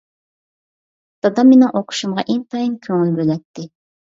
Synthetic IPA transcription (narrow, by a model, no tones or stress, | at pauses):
t̪ɑd̪ɑmenɪŋʔoqʰʊ̥ʃumʁɑʔeŋt̪ʰɑjinkʲʰøŋylbølɛt̪ʰːɪ